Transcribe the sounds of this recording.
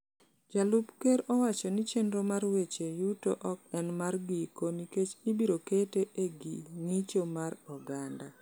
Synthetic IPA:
d͡ʒalupkeɾɔwat͡ʃɔnɪt͡ʃendɾomarwet͡ʃejuto̰ʔɔk̚ɛnmarɡikoniket͡ʃibiɾoketeʔeɡḭŋit͡ʃomaɾɔɡanda

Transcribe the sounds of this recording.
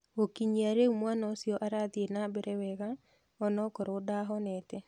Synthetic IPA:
okiɲiaɾeumwanaosiɔʔaɾaðienabɛɾɛwɛɣa | ɔnɔkɔɾodaɦɔnɛtɛ

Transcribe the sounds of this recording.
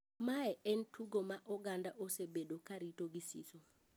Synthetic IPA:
maɛʔɛntʰuɡomaʔɔɡandaʔosebedokaɾitoɡisḭso

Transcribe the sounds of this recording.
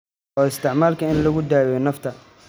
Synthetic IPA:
ɔːɪst̪ʰɪʕmaːlkʰɐɪnlɐɣʊd̪aːjɛnɐft̪ʰɐ

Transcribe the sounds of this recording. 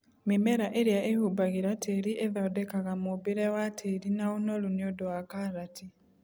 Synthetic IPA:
mimeɾaʔeɾjaʔehubaɣiɾatʰeɾiʔeðaodekaɣamubiɾewatʰeɾinaunoluniodowakaɾati

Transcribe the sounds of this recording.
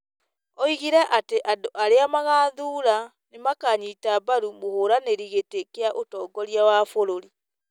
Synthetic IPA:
ɔiɣiɾɛʔateʔadoʔaɾeamaɣaːðuːɾa | nemakaɲiːtabaɾumohoːɾaneɾiɣetekeaʔotɔːɡɔɾiawaːfoɾoɾi

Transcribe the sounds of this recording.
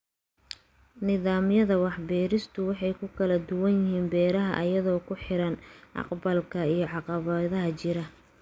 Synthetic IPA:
nɪðaːmjɐðɐwɑħbɛːɾɪst̪ʰʊwɑħɑjkʰʊkʰɐlɐd̪ʊwɐnjɪɦiːnbɛːɾɐɦɐ̰ʔɐjɐðɔːkʰʊħɪɾɐnʔɑ̰qbɐlkʰɐijɞʕɑqɑβɐðɐɦɐt͡ʃɪɾɐ

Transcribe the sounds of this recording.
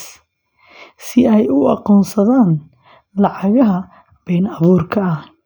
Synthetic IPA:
s | sɪɛjʊɑqɔːnsɐðaːn | lɑʕɑɣɐɦɐ | b̥ɛːnɑβuːrkʰɐɐh

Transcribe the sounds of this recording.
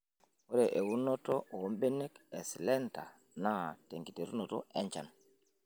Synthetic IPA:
wɔɾɛʔɛwunːɔtɔomɓɛnɛkɛslɛnta | nateŋɡiteɾunɔtɔʔɛɲt͡ʃa̰n

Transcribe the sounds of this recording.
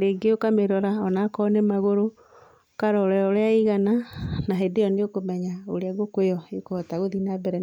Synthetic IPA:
deɡeokameɾɔɾaɔnakɔnɛmaɣoɾo | kaɾɔɾɛɾɔɾeaiɣananaɦedeɔneokomɛɲaoɾeaɣokejɔekoɔtaɣoðinabɛɾɛ

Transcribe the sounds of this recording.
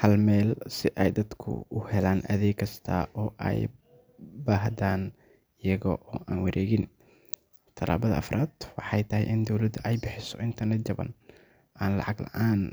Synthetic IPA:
hɐlmɛːlsɪʔɛjd̪ɐd̪kʰʊ̰ʊhɛlaːnʔɐ̰ðɛːkʰːɐst̪ʰɐ̰ʔɔːʔɛ̰j | baːhd̪aːn | ɪjɐɣɔ̰ʔɔːʔaːnwɐɾʔɛːɣɪn | t̪ʰɐla̰ːβɐðɐɐ̰fɾʔaːd̪̥wɑħɑjt̪ʰɐɦɛjʔɪnd̪ɔwlɐd̪ʊʔɛjbɪħɪsɔʔɪnt̪ʰɐrnɛt̪̚d͡ʒɐβɐ̰n | aːnlɑ̰ʕɑɡlɐ̰ʕaːn

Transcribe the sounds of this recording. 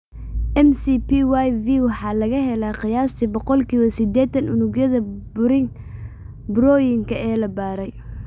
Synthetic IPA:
ʔɛmsipiwajviːwɑħɑːlɐɣɐɦɛlaːqɪjaːst̪ʰibɔqɔlkʰiːwɐsɪd̪ɛːt̪ɐnʊnʊɡjɐðɐbʊɾɪŋ | bɾɔːjɪŋkʰɐɛːlɐbaːɾɛj

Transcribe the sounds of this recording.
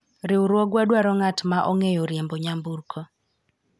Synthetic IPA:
ɾɪʊɾwɔɡwadwaɾɔŋatmaʔɔŋejɔɾjemboɲamburkʰo

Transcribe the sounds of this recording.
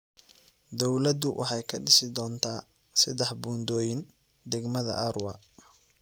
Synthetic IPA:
d̪ɔwlɐd̪ʊwʔɑħɑjkʰɐɖɪsɪd̪ɔːnt̪ʰaː | sɪd̪ɛħbuːnd̪ɔːjɪn | d̪ɛɡmɐðɐ̰ʔɐɾwɑ

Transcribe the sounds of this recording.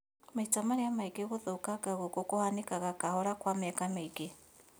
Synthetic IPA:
maitamaɾeamaikeɣoðokaɣaɣokokohanekaɣakahɔɾakwamːkameike

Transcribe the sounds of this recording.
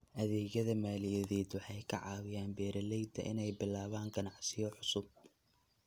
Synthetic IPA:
ʔɐðɛːɣɐðɐmaːlɪjɐðɛːd̪wɑħɑjkʰɐʕɑːwɪjaːnbɛːɾɐlɛjd̪ɐ̰ʔɪ̰nɛjbɪlaːβaːŋɡɐnɑʕsɪjɔħʊsʊb̚

